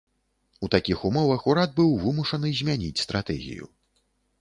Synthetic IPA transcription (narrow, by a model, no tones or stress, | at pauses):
ut̪akʲixumɔvɐxuɾad̪̚bɨwvɨmuʂɐnɨzʲmʲanʲḭt͡sʲst̪ɾʔat̪ɛ̰ɣʲḭjṵ